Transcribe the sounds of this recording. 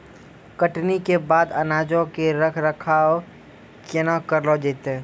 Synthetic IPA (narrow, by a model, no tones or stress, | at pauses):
kəʈnikebaːd̪ənaːd͡ʒõkeɾəkʰɾəkʰaːɔ | t͡ʃenakəɾlod͡ʒeːt̪ẽ